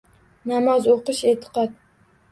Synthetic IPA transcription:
nɑmɑzoqɨʃeːt̪ʰɨ̥qɑt̪̚

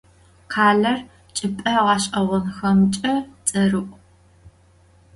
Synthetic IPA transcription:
qʰaːɮɐr | t͡ʃʼɪpʼɐʁɑːɕʼɐʁʷɔnxɐmt͡ʃʼɐt͡sʼɐrɨʔʷ

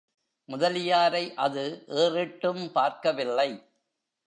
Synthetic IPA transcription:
mʊðɐlɪjaːɾɐɪʔɐðɯʔeːrɪʈːɯmpaːɾkɐʋɪlːɐɪ

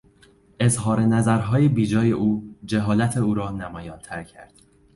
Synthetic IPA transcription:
ʔe̞zɦɒːɾe̞næzæɾɦɒːje̞biːd͡ʒɒːje̞ʔuːd͡ʒeɦɒːlæt̪ʰe̞uːɾɒːnæmɒːjɒːnt̪ʰæɾcʰæ̰ɾd̪̥

